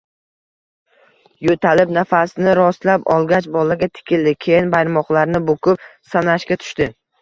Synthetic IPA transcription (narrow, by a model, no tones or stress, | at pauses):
jot̪ʰalɪpnafasnɪɾɒslapɒ̰lˠɡʲat͡ʃbɒlaɡʲat̪ʰɪ̥kʲʰɪld̪ɪkʲʰejɪnbajɾmɒqlˠaɾnɪbokʰʊp̚sanaʃkʲat̪ʰʊ̥ʃt̪ɪ